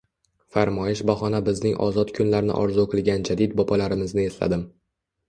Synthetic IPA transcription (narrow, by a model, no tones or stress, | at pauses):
faɾmɒjɪʃbaχɒnabɪznɪŋʔɒ̰zɒt̪kʰʊnlaɾnɪ̰ʔɒ̰ɾzʊokʰɪlˠɡʲand͡ʒad̪id̪̚bɒpʰalaɾɪmɪznɪe̞sla̰d̪ɪm